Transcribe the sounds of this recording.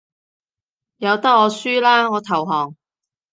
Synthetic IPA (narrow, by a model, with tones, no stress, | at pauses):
jɐ˨˧wt̪ɐ˥k̚ːɔː˨˧syː˥laː˥ŋɔː˨˧t̪ʰɐ˨˩wɦɔː˨˩ŋ